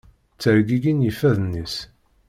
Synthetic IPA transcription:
t͡sːəɾɡiɡinjifæðnːis

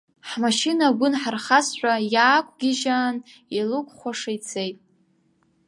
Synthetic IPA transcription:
ħmaʃinaɡʷʊnħarχasħʷᶣajaːkʷʰʼɡʲɪʒaːn | ilukʷʰʼχʷaʂajt͡sʰejtʼ

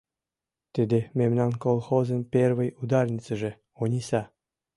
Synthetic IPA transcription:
t̪ɘd̪ĕmʲemnɑnkolˠxozə̆npʲervɘ̆jud̪ɑrnʲit͡sɘ̆ʒĕ | onʲisɑ

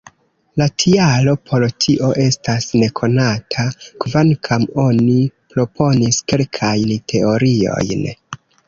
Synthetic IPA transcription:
latʰialo̞pʰo̞ɾtʰiʔo̞ʔe̞stasne̞kʰo̞natʰakvankʰamo̞nipɾo̞pʰo̞niske̞lkʰajntʰe̞o̞ɾio̞̰jn

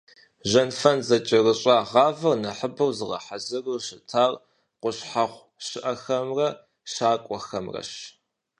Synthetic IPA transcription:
ʑɐnfɐnzɐt͡ʃʼɪrɨɕʼɑːʁɑːvɐrnɐħəbɨrzɨʁɐ̰ħazɨrɨɕɪtʰaːr | qʷʊɕħaχʷ | ɕɪʔɐxɐmrɐ | ʃaːkʷʼɔxɐmrɐ̰ɕ

